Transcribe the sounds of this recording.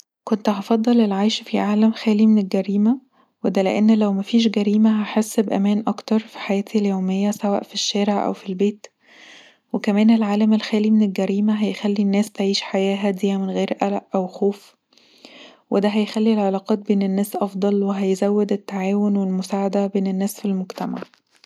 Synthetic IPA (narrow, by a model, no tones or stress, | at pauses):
kont̪hɑfɑd̪ˤːɑlelʕajʃfiʕaːlæmxæːlimenelɡæɾiːmæ | wed̪ælḛʔenːlæwmæfiːʃ̬ɡæɾiːmæɦaħesːbʔæ̰mæːnʔɑkt̪ɑɾˤfi̥ħajæːt̪ʰiljoːmejːæsæwæ̰ːʔfiʃːæːɾeʕʔæ̰wfilbeːt̪ | wekæmæːnelʕaːlæmelxæːlimenelɡæɾiːmæɦæjxælːinːæːst̪ʕiːʃħajæːɦæd̪ijːæmenɣeːɾʔælæʔʔæwxoːf | wed̪æɦæjxælːilʕelɑːqɑːt̪̚beːnenːæːsʔɑfd̪ˤɑlweɦæjzæwːed̪et̪ːaʕaːwonwelmosaːʕad̪æbeːnenːæːsfilmoɡt̪æma̰ʕ